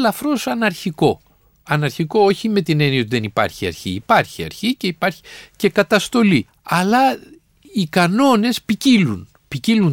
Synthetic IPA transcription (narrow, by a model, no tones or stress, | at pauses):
lɐfɾo̞sɐnɐɾçiko̞ | ɐnɐɾçiko̞oçime̞t̪ine̞nioiðe̞nipɐ̰ɾçiɐ̰ɾçiːpɐɾçiɐ̰ɾçiceipɐɾçi̥ce̞kɐt̪ɐst̪o̞li | ɐlɐ | ikɐno̞ne̞spicilun | picilun